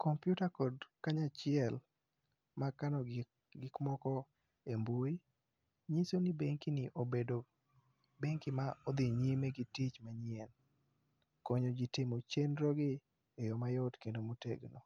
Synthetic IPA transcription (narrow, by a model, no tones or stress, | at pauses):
kɔmpjutakɔdkaɲat͡ʃɪɛl | makanɔ | ɡɪkmɔkɔ | embwoi | ɲisonibeŋkinɪʔobedo | beŋkɪmaɔd̪ɪɲimeɡitit͡ʃmaɲɪɛn | kɔɲod͡ʒitɪmot͡ʃenɾɔɡɪ | ejɔmajɔtkendomoteɡno